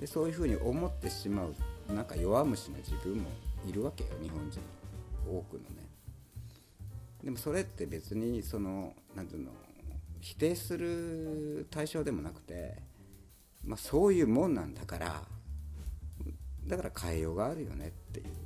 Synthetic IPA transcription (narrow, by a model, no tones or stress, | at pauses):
d̪̥e̞so̞ːjɯ̟ɸɯ̟ːɲ̟iʔo̞mo̞t̪ːe̞ɕimaɯ̟nãŋkajo̞βamɯ̟ɕinad͡ʑibɯ̟̃mːo̞̰iɾɯ̟βake̞jo̰ɲ̟ihõ̞ɲd͡ʑḭ̃ŋo̞ːkɯ̟no̞̰nḛ | d̪e̞mo̞so̞ɾe̞t̪ːe̞be̞t͡sɨɲ̟iso̞no̞nãnt̪ɨːno̰çi̥t̪e̞ːsɨɾɯ̟ | t̪aiɕo̞ːd̪e̞mo̞nakɯ̟̥t̪e̞̰ | maso̞ːjɯ̟ːmõ̞nːãnd̪akaɾa̰ | d̪akaɾakʰaijo̞ːɡaːɾɯ̟jo̞̰ne̞̰t̪ːe̞̰jɯ̟̰